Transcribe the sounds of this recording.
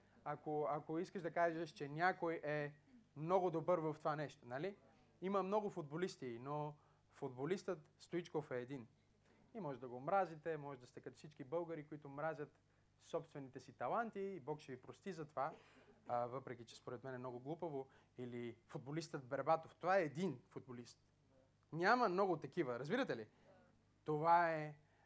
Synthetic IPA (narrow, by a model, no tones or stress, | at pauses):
akoakoiskəʃd̪ɐkaʒəʃt͡ʃɛnʲjakojɛmnɔɡʊd̪obɤɾvəft̪ovanɛʃt̪onɐli | iməmnɔɡʊfʊd̪̚bolist̪ino | fod̪bolist̪ət̪st̪oit͡ʃkofɛːd̪in | imɔʒɛd̪ɐɡoːmɾazit̪ɛmɔʒɛd̪ɐst̪ɛkət̪fsit͡ʃkibɤlˠɡəɾikoit̪ʊːmɾazʲət̪ | sɔpst̪vɛnit̪ɛsit̪ɐlˠant̪iːbɔkʃɛvipɾost̪izɐt̪ova | vəpɾɛk̟it͡ʃɛ̥spoɾɛt̪mɛnɛmnɔɡʊɡlˠupəvo | ilifud̪̚bolist̪əd̪bɛɾbat̪oft̪ovaɛːd̪infud̪̚bolist̪ | nʲaməmnɔɡot̪ɐkivəɾɐzbiɾət̪ɛli | t̪ovaɛ